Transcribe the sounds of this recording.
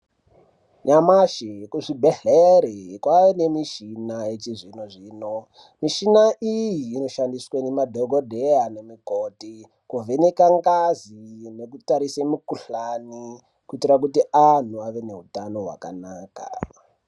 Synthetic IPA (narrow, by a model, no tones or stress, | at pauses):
ɲamaʃikuʐibʱeɮeɾekwaene̞miʃinajet͡ʃiʐinoʐiːno | miʃinaʔijiːno̞ʃandiswenemadʱoɡʱodʱeanemikoti | kuvʱenekaŋɡazine̞k̬utaɾisemikuɬani | kuitirak̬utiʔan̤uaʋe̞ne̞ɦutano̞ɦwa̰ka̰naːka̰